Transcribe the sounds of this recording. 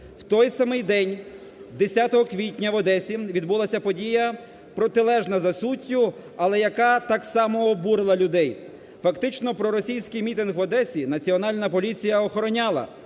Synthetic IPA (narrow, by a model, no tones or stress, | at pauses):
wt̪ɔjsɐmɪjd̪ɛnʲ | d̪esʲat̪ɔɦɔkʋʲitʲnʲɐʋɔd̪ɛsʲiʋʲid̪bulˠasʲɐpɔdʲijɐ | pɾɔt̪ɪlˠɛʒnɐzɐsutʲːʊ | ɐlˠɛjɐkɑt̪ɑksɑmɔːbuɾelˠɐlʲʊd̪ɛj | fɐkt̪ɪt͡ʃnɔpɾɔɾɔsʲijsʲkɪjmʲit̪ɪnɦʋɔd̪ɛsʲinɐt͡sʲiɔnɑlʲnɐpɔlʲit͡sʲijɐɔxɔɾɔnʲɑlˠɐ̰